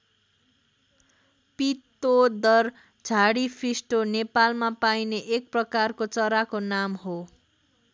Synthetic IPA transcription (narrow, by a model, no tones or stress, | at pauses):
pit̪ːod̪ʌr | d͡zʱaɽipʰrisʈonepalmapajneʔek̚prʌkarkot͡sʌɾakonamɦo